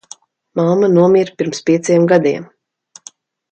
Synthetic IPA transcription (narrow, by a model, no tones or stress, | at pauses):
mamanuɔmʲiɾpʲiɾmspʲiɛt̪sijɛmɡad̪iɛm